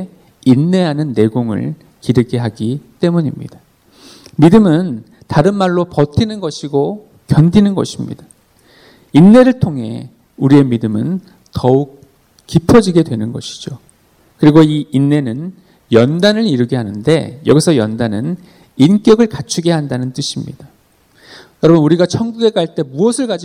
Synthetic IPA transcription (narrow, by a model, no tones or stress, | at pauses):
inːe̞ɦanɯnːe̞ɡoŋɯ̰ɭ | kiɾɯɡe̞ɦaɡit͈e̞muɲimɲḭd̥a | midɯmɯn | taɾɯnmaɭːopʌtʰinɯnɡʌɕʰiɡo | kjʌndinɯnɡʌ̰ɕʰimɲḭda | inːe̞ɾɯɭtʰoŋɦe̞̰ | uɾie̞midɯmɯn | tʌuk̚ | k͈ipʰʌd͡ʑiɡe̞dwe̞nɯnɡʌ̰ɕʰi̥d͡ʑo | kɯɾiɡoiːnːe̞nɯn | jʌndanɯɾiɾɯɡeɦanɯnde̞̰jʌɡisʰʌjʌndanɯn | ink͈jʌɡɯɭkat͡ɕʰuɡe̞ɦandanɯnt͈ɯɕʰimɲḭda | jʌɾʌbʌnuɾiɡat͡ɕʰʌŋɡuɡe̞kaɭt͈e̞muʌsʰɯɭkad͡ʑi